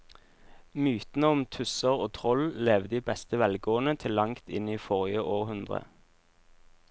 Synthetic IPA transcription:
myːt̪n̩əʊmt̪ʰʉsəʁoːt̪ʰʁɔlleːʋd̪iːbɛst̪əʋɛlɡoːənət̪ʰɪlːɑŋt̪ɪniːfɔʁɪjəʔoːʁhʉnd̪ʁə̰

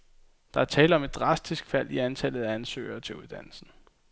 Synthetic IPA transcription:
d̥ɑ̈æɐt͡sʰɛːləɒ̽me̝d̥ːʁɑ̈sd̥isɡ̥fæl̰iænt͡sʰæl̰ð̞̩ˠæænsø̰ːɪɐt͡sʰe̝uð̞ˠd̥æn̰l̩sn̩

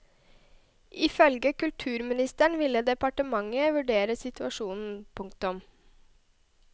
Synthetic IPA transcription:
ɪfœlɡəkʉlt̪ʰʉːɾmɪnɪst̪əɳʋɪləd̪ɛpɑʈəmɑŋəʋʉɖeːɾəsɪt̪ʰʉɑʃuːnn̩pʰʊŋkt̪ʊm

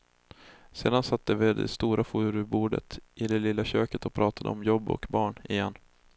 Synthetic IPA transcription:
seːd̪ansat̪ːd̪əved̪ɛ̰st̪uːɾʔafuːɾɵbuːɖə̰t̪ʔɪd̪ɛlɪlːaɕøːkət̪ɔpʰɾɑːt̪ʰad̪ə̰ɔmjɔbːɔ̰kbɑːɳɪjɛnː

